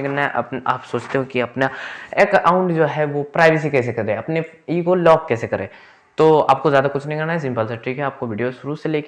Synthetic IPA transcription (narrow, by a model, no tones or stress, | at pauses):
kɐnaɛʔɐ̰paːpsoːt͡ʃt̪eɦũkiɐpnaeːkaːʊ̃ɳʈd͡ʒoːɦɛʋopɾaːɪʋes̬ikɛːsekɐɾẽːɐpne | iːɡolɔːkːɛːsekɐɾḛ̃ː | t̪oːa̰ːp̚kozjaːd̪akʊt͡ʃʰnɐɦĩɡɐɾnaɛs̬ɪ̃mpəls̬ɐʈɾikɦɛaːp̚koʋɪːɖijoʃʊɾuːseleːk